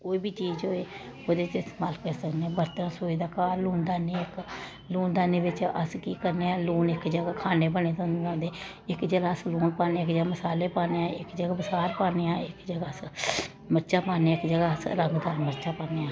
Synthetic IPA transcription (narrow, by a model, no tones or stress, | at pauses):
koːiːbʱiːt͡ʃiːzɦoːeː | oːd̪eːt͡ʃɪsmalkəɾsəknːaːbəɾt̪əãsoːiːd̪aːkaːɾluːnd̪aːneːɪk | luːnd̪aːneːʋɪt͡ʃə̰skiːkəɾneːaːluːnɪkd͡ʒəɡaːkʰaːneːpəneːt̪õãːnd̪eː | ɪkd͡ʒəɡaːsluːnpaːneːɪkd͡ʒəɡaːməsaːleːpaːneːãːɪkd͡ʒəɡaːbəsaːɾpaːneːãːɪkd͡ʒəɡaː | məɾt͡ʃaːpaːneɪkd͡ʒəɡaːsɾəŋɡd̪aːɾməɾt͡ʃaːpaːneːãː